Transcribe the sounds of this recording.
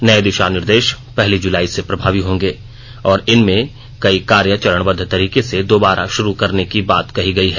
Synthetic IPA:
nɐed̪ɪʃaːnɪɾd̪eːʃ | pɛɦlid͡ʒʊlaːisepɾɐbʱaːʋiɦõːŋɡeː | ɔːɾɪnmẽ | kɐikaːɾjət͡ʃɐɾəɽ̃bɐd̪ʱːt̪ɐɾiːkesed̪oːbaːɾʔa̰ʃʊɾukɐɾnekibaːt̪kɐɦiɡɐiɦɛː

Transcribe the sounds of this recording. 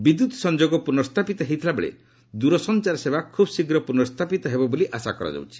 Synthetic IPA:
bid̪ut̪sɔnd͡ʒoɡɔpuɾnɔst̪ʰapit̪ɔɦejt̪ʰilabḛɭḛ | d̪uɾɔsɔnt͡ʃaɾɔsebakʰubsiɡɾɔpuɾnɔst̪ʰapit̪ɔɦebɔboliʔasakɔɾɔ̰d͡ʒa̰wt͡ʃʰi̥

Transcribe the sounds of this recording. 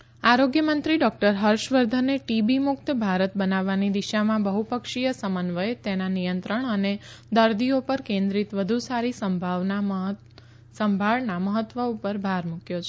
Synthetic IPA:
aɾoɡjəmə̃nt̪ɾiɖɔk̚ʈəɾɦəɾʃʋəɾd̪ʱənːeʈibimʊk̚t̪bʱaɾət̪̚bənaʋːanid̪iʃamãbəɦupəkʃijəsəmənʋəet̪enanijənt̪ɾəɳ̃əned̪əɾd̪iopəɾkẽnd̪ɾit̪ʋəd̪ʱusaɾisəmbʱaʋna | səmbʱaɭnaməɦət̪ːʋəupəɾbʱaɾmũkjot͡ʃʰe

